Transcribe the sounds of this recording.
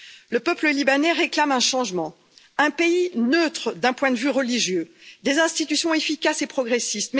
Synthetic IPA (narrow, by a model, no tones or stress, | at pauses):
ləpœpləlibanɛʁeklamɛ̃ʃɑ̃ʒmɑ̃ | ɛ̃peinøt̪χəd̪ɛ̃pwɛ̃d̪əvyʁəliʒjød̪ezɛ̃st̪it̪ysjɔ̃efikʲasepχɔɡʁesist̪m